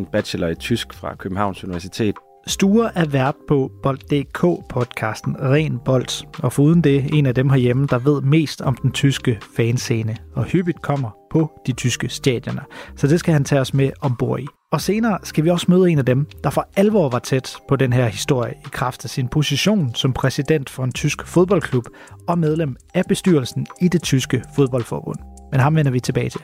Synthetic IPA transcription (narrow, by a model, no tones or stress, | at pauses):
nb̥æ̥ɕelɒit͡sʰysɡ̥fʁɑ̈kʰøb̥m̩hɑ̈ʊ̰nsuniʋæɐsit͡sʰe̝̰ːd̥ | sd̥uːɐʔæʋæɐ̰d̥̚pʰɒ̽b̥ɒ̽ld̥ːe̝̰ːkʰɔ̰ːpʰɒ̽d̥kʰɑ̈ːsd̥n̩ʁɛ̰ːnb̥ɒ̽l̰d̥ɒ̽fɒuːð̞ˠn̩d̥e̝e̝næd̥emɦɑɐjeməd̥ɑ̈ʋe̝ð̞̰ˠme̝̰ːsd̥ɒ̽md̥ent͡sʰysɡ̥əfɛːnse̝ːnəɒ̽hyb̥id̥kʰɒ̽m̰ɐpʰɒ̽d̥it͡sʰysɡ̥əsd̥ɛ̰d̥jɒnɐsɒ̽d̥e̝sɡ̥æhænt͡sʰɛɒ̽smeʔɒ̽mb̥o̝ɐ̰i | ɒ̽se̝ːnɐːsɡ̥æʋiɒ̽smøːð̩ˠe̝næd̥emd̥ɑ̈fɒ̽ælʋɒ̰ːʋɑ̈t͡sʰed̥pʰɒ̽denɦæɐ̰hisd̥o̝ɐ̰jəikʰʁɑ̈fd̥æsinpʰo̝siɕo̝̰ːnsɒ̽mpʰʁɛsid̥en̰d̥fɒ̽e̝nt͡sʰysɡ̥fo̝ð̞ˠb̥ɒ̽l̰kʰlub̥ | ɒ̽með̞ˠlem̰ | æb̥e̝sd̥yɐlsn̩id̥e̝t͡sʰysɡ̥əfo̝ð̞ˠb̥ɒ̽l̰fɒ̰ːb̥ɔ̽n̰menɦɑ̈mʋenɐʋit͡sʰe̝b̥ɛːɪt͡sʰe̝l